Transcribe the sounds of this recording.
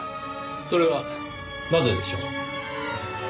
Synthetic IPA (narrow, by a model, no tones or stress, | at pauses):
so̞ɾe̞βa | nazed̪eɕo̰ːk